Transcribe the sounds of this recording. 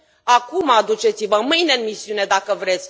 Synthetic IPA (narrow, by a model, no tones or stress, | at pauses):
akumad̪ut͡ʃe̞t̪sivəmɨjne̞ɨnmisiune̞d̪akəvɾe̞t̪sʲ